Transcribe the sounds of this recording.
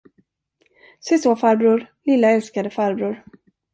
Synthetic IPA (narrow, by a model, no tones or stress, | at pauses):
sɛsoːfaɾbɾuːɾlɪlːaɛlskad̪əfaɾbɾuːɾ